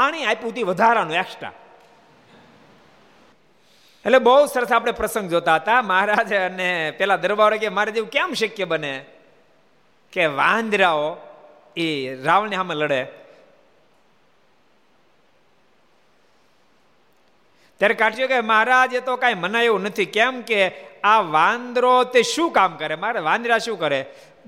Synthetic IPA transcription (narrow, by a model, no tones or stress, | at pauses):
aɽ̃iajput̪iʋəd̪ʱaɾanũakʂʈa̰ | eʈlebəɦusəɾəsap̬ɽ̃epɾəsə̃ŋɡd͡ʒot̪aɦət̪aməɦaɾad͡ʒənepɛɦlad̪əɾʋaʋɾekemaɦaɾad͡ʒeʋũkɛmʃəkjəbəne | keʋãənd̪ɾao | iɾaʋəɭniɦameləɽe | t̪jaɾekaʈʰijokeməɦaɾad͡ʒet̪okãimənaeʋũnət̪ʰikɛmkeaʋãnd̪ɾot̪eʃũkamkəɾemaɾaʋãnd̪ɾaʃũkəɾe